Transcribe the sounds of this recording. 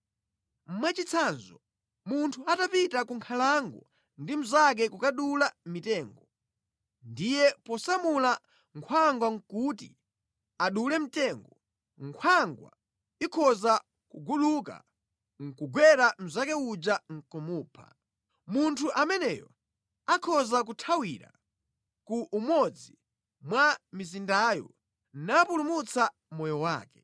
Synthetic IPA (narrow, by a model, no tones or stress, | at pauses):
m̩mwɛt͡ʃit͡sʰanzɔ | muntʰuatapitakuŋkʰalaŋɡɔ | ndim̩zak̬ɛkukaɗulamitɛːŋɡɔ | ndijɛpɔsamula | ŋkʰwaŋɡwaŋ̩kut̬ḭ | aɗulɛm̩tɛŋɡɔɔ | ŋkʰwaŋɡwa̰ | ikʰɔza | kuɡuɗuka̰ | ŋ̩kuɡwɛɾam̩zakɛud͡ʒaŋ̩kɔmuːpʰa̰ | muntʰuʔamɛnɛjɔ̰ | akʰɔzak̬utʰawiɾa̰ | kuʔːmɔd͡zi | mwamizindaːjɔ̰ | napulumut͡sa | mɔjɔwa̰ːkɛ